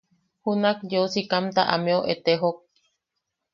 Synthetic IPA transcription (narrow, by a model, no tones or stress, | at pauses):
hunak̚d͡ʒousikamt̪a̰ʔa̰mẽoʔet̪eɦok̚